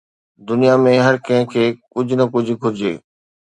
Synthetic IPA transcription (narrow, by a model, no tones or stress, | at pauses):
d̪ʊnijamẽɦɐɾkɐ̃ɦɪ̃kʰeːkʊd͡ʑʱʊnɐkʊd͡ʑʱʊ̆ɡʱʊɾɪd͡ʑeː